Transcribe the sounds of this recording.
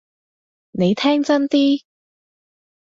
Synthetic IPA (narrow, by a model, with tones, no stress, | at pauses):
ne˨˧jt̪ʰɛː˥ŋt͡sɐ˥nt̪iː˥